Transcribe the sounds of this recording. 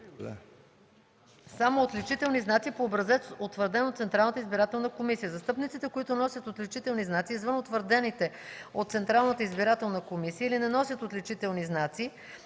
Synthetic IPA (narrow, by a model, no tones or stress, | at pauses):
a̰ | samoːt̪lɛt͡ʃit̪ɛlˠniznat̪sipoːbɾɐzɛt̪ot̪vəɾd̪ɛnot̪t̪sɛnt̪ɾalˠnət̪əizbiɾat̪ɛlˠnəkomisijəzɐst̪ɤpnit̪sit̪ɛkoit̪ʊnɔsʲət̪ot̪lit͡ʃit̪ɛlˠniznat̪siːzvɤnot̪vəɾd̪ɛnit̪ɛ | ot̪t̪sɛnt̪ɾalˠnət̪əizbiɾat̪ɛlˠnəkomisijəilinɛnɔsʲjət̪ot̪lɛt͡ʃit̪ɛlˠniznat̪si